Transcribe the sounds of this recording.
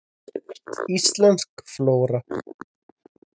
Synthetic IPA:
islanskfloːɾa

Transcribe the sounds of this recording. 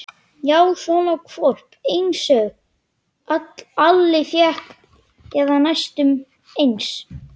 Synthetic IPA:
jaːwθɔnakʰfɔr̥pejnsœɣ | at̪l̥alːɪθjɛhkn | ɛðanajst̪ʏm | ejns

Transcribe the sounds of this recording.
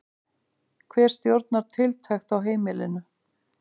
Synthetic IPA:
kʰvɛːɾ̥st̪jowɾt̪naɾ̥t̪ʰɪlt̪ʰajxt̪awɦeːjmɪlɪnʏ

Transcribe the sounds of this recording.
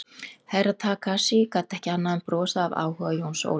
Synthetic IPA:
hajɾat̪ʰaːkʰasikat̪ɛhcɪanːaðʏnpɾɔːsaːva̰ːwhœvajownso̰ːw

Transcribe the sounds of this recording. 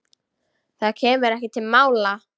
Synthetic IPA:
θaðcʰɛːmʏɾɛhcɪt̪ʰːɪlmaːwla

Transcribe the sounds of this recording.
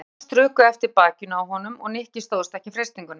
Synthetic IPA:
t̪ɾʏːkʏɛft̪ɪɾpaːcʏnawɦɔnʏmɔ̰ɣnɪhcɪst̪owðʏst̪ɛhcɪfɾejst̪iŋkʏn

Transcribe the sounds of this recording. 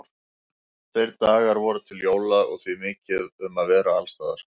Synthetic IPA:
fejɾt̪aːɣaɾvɔːɾʏt̪ʰɪljoːwlaðɔ̰ɣθvimɪːcɪðʏmaðvɛːɾaalst̪aːða̰ɾ̥

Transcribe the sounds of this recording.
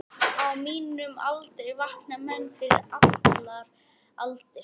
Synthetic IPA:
awmiːnʏma̰lt̪ɛjvahknamɛnːfɪɾɪ̰ɾat̪laɾ | alt̪ɪ

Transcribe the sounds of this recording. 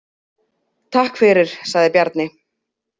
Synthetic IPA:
t̪ʰahkfɪɾɪɾ̥saɣðɪpjaɾt̪nɪ

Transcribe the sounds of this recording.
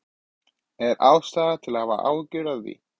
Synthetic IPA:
ɛɾawst̪aːðat̪ʰɪlahava̰ʔaːwcʏɾaððḭ

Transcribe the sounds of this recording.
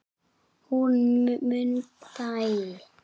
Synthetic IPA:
hunmmɯnt̪aj

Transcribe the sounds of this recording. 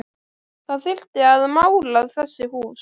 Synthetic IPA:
θaðθɪl̥t̪ɪaðmaːwlaɣðθɛsːɪhuːs

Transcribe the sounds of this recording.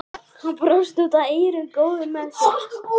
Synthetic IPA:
hapɾast̪ut̪aejɾʏnkoːwðɪmɛns

